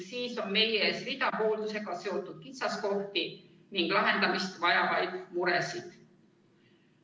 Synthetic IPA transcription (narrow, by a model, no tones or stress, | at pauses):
siːso̞nme̞jeeːsvit̪ɑpo̞ːld̪use̞ɡ̥ɑse̞o̞t̪ːˑud̪̥̚kit̪sɑsko̞ht̪i | niŋɡ̥lɑɦe̞nd̪ɑmist̪vɑjɑvɑjd̪̥muɾesid̪̥